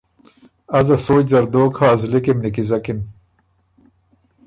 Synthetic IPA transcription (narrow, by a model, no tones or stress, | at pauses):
ɐzɐsoːzɐɾd̪oːkʰaːzlikimnikizɐkim